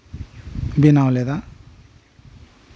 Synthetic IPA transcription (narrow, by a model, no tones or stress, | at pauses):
binawled̪a